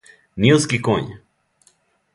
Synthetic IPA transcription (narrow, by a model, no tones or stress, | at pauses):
nioskikoɲ